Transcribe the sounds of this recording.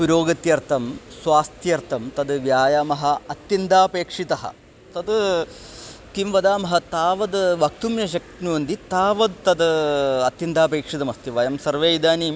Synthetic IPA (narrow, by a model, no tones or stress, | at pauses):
puɾoːɡɐt̪jɐɾt̪ʰɐmsʋaːst̪ʰjɐɾt̪ʰɐmt̪ɐd̪ʋjaːjaːmɐɦɐɐt̪jind̪aːpeːkʂit̪ɐɦɐ̰ | t̪ɐd̪ | k̪imʋɐd̪aːmɐɦɐt̪aːʋɐd̪ʋɐk̚t̪umjɐʃ̬ɐk̚nuʋɐnd̪it̪aːʋɐd̪t̪ɐd̪ɐt̪jɐnd̪aːpeːkʂit̪ɐmɐst̪iʋɐjɐmsɐɾʋejd̪aːniːm